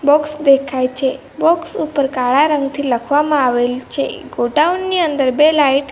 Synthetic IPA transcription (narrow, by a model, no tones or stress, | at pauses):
bɔksd̪ekʰajt͡ʃʰe | bɔksupəɾkaɭaɾəŋɡt̪ʰiləkʰʋamãaʋelt͡ʃʰḛɡoɖaunːiənd̪əɾbelaiʈ